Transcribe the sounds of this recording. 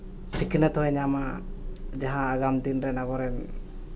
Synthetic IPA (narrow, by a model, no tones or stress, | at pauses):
sikʰnɛt̪ɔɦɛɲama | d͡ʒaɦãːɡamd̪inɾɛnaɡɔɾɛn